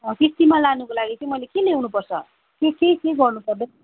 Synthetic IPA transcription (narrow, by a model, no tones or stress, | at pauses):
ʌt̪ist̪imalanukolaɡit͡sʌĩmʌjlekenewnupʌrt͡sʰʌ̰ | kekekeɡʌrnupʌrd̪e